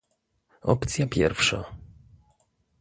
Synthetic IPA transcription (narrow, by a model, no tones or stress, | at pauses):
ɔ̰pt̪sʲjapʲjɛɾfʂa